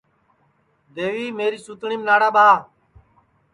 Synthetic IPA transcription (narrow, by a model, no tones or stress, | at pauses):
d̪eːʋiːmeːɾiːsut̪ɳiːmnaːɽaːɓʱaː